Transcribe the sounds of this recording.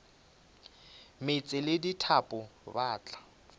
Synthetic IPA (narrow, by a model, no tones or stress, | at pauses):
met͡sʼɪlɪditʰapʼʊbaːt͡ɬʼḁ